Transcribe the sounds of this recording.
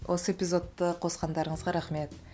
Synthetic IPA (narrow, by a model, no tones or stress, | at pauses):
wʔo̞səe̞pʲizo̞t̪ːəqʰosqɑnd̪ɑɾəɴəzʁɑɾaχme̞t̪